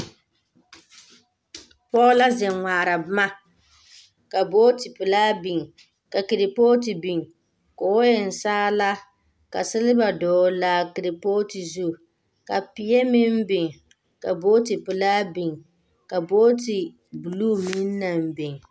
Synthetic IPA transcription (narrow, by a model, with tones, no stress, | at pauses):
pɔː˦la˦zɛ˨ŋʷaː˨ɾa˨bma˦ | ka˨boː˦ti˨pɨ˨laː˦bi˨ŋ˨ | ka˨ki˨ɾi˨poː˦t̬i˨bi˨ŋ˨ | ko˨˦jɛ˨n̩˨saː˦la˦ | ka˨sɪ˦lɪ˦ba˨dɔː˨la˨ki˨ɾɪ˨poː˦ti˨zu˦˨ | ka˨pi˨je˦mi˦m˦bɪ˨ŋ˨ | ka˨bo˦ti˨pɨ˨laː˦bi˨ŋ | ka˨boː˦ti˨ | bu˨luː˦˨mi˦nː˦a˨m˨bɪ˨ŋ˨